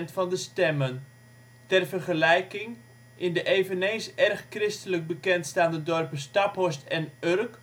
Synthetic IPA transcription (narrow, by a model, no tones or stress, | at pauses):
ntfɑndəstɛmən | tɛrvərχəlɛjkɪŋ | ʔɪndəʔeːvənensɛrχkrɪstələk̚bəkɛntstaːndədɔrpəstapɦɔstɛnørk